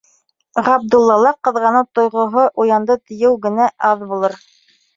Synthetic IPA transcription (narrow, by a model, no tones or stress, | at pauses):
ʁɑb̚d̪ulˠːɑlˠɑqɤ̆ðʁɑnɤwt̪ŏjʁŏɦoʔujɑnd̪ɤt̪ɘ̆jɘwɡɘ̆næʔɑðbulˠɤɾ